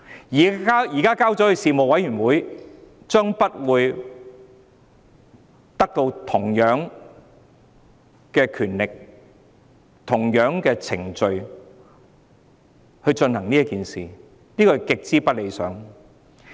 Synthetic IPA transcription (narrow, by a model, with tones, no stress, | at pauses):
jːaː˥jiː˨˩kaː˥kaː˥wt͡sɔ˨˥hɵ˨˧jsiː˨mo˨wɐ˨˥jɥyː˨˩nwuː˨˥j | t͡ʃœː˥ŋpɐ˥t̚wuː˨˧j | t̪ɐ˥k̚t̪o˧wt̪ʰʊ˨˩ŋjœː˨˥ŋ | kɛː˧kʰyː˨˩nlɪ˨k̚ | t̪ʰʊ˨˩ŋjœː˨˥ŋkɛː˧t͡sʰɪ̰˨˩ŋt͡ʃɵ˨˧ɥ | hɵ˧ɥt͡ʃɵ˧nhɐ˨˩ŋniː˥ɐ˥tkiː˨nsiː˨ | niː˥kɔ˧kɪ˨k̚t͡siː˥pɐ˥t̚le˨˧jsœ̰ː˨˥ŋ